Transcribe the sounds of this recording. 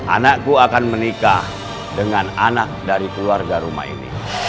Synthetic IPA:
ʔa̰nakkːuakanmənikah | dəŋananak̚daɾikəluarɡaɾuma̰hḭnḭ

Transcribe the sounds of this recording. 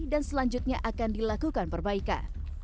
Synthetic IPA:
dansəlaɲd͡ʒut̪̚ɲaʔakandilakukanpərbaika̰n

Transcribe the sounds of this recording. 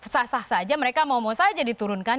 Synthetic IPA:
sasahsad͡ʒaməɾekamawmosad͡ʒadit̪uɾʊnka

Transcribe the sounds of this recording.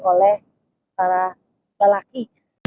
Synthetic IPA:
kɔlɛh | paɾa | ɡalaki

